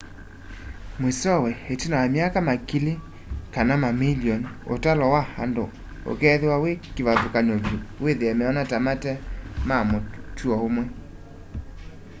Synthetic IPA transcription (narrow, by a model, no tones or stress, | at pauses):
mwesɔwɛhetinawamjakamakile | kanamamilijɔno̰talɔwaha̰ndo | o̰kɛːðewawekiβaðokaɲɔβjoweðeɛmɛɔnatamatɛmamotuɔomwɛ